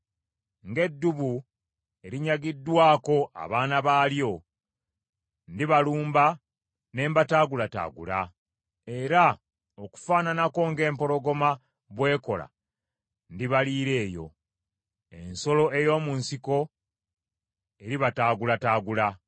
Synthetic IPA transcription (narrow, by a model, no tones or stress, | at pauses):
ŋɡe̞dːuβu | e̞ɾiɲaɡidːwaːko̞ʔa̰βaːnaβaːljo̞ | ndiβaluːmba | ne̞ːmbataːɡulata̰ːɡṵla | e̞ɾa | oku̥faːnanako̞ŋɡe̞ːmpo̞ɾo̞ɡo̞ma | βwe̞ːko̞̰la̰ | ndiβaliːɾe̞ːjo̞̰ | e̞nso̞lo̞ʔe̞jo̞ːmunsiko̞ | e̞ɾiβataːɡulataːɡula